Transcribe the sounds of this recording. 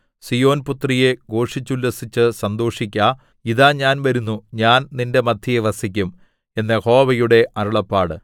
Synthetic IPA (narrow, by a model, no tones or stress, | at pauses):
sijo̞ːnput̪rije̞ɡo̞ːʂit͡ɕːulːɐsit͡ɕːɨsɐnd̪o̞ːʂikʲːa | iðaːɲaːnʋɐɾunːuɲaːnninde̞mɐd̪ʱjijeʋɐsik̬ʲːum | e̞nːeho̞ːbɐjuɽe̞ʔɐruɭɐpːaːɽɨ